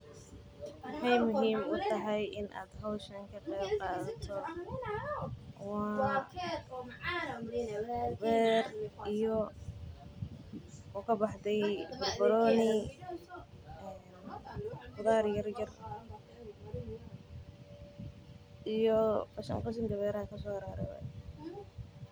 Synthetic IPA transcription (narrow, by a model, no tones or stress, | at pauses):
wɑħɑjmʊɦiːmʊt̪ʰɐɦɛjʔɪnʔa̰ːd̪ɦɔwʃɐŋkʰɐqɛjbqɑːðɐt̪ʰɔ | wɑː | bɛːrʔijɔ | ɔkʰɐbɑħd̪ɛjbɐrbɐlɔːnɪ | ɛːn | fʊðaːrjɐrjɐr | ʔijɔbɐʃɐ̰ŋqɑs̬ɪnd̪ɐβɛːɾɐkʰɐsɔːhɐɾaːɾɐ̰wɐ̰